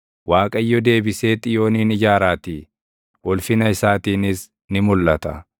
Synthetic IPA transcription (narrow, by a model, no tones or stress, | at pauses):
waːkʼɐjːɔd̪e̞ːbɪse̞ːt̪ʼːɪjo̞ːniːnɪd͡ʒaːɾaːt̪i | wɔlfɪnɐɪsaːt̪iːnɪs | nɪmʊlːɐt̪ɐ